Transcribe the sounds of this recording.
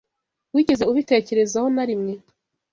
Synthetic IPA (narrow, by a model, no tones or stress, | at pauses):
wiːɟe̞ze̞uβite̞ːce̞ɾe̞zahonaɾimŋe̞